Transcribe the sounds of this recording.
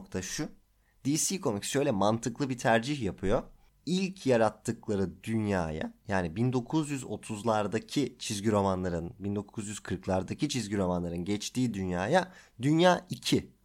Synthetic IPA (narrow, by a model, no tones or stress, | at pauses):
kt̪ʰaʃu | d̪̥iːsiːkʰo̞micsʃø̞jlʲɛmant̪ʰɯklˠɯbit̪ʰæɾd͡ʒiçjapʰɯjo̞ | ilʲcʰjaɾat̪ʰːɯklˠaɾɯd̪ynja̰ːja̰jaːnibind̪o̞kʰuzjyzo̞̰t̪ʰuzlˠaɾd̪acʰit͡ʃʰizɟiɾo̞manlˠaɾɯnbind̪o̞kʰuzjyz̥kʰɯɾklˠaɾd̪acʰit͡ʃʰizɟiɾo̞manlˠaɾɯnɟɛt͡ʃt̪iːd̪ynjaːjad̪ynjaːicʰi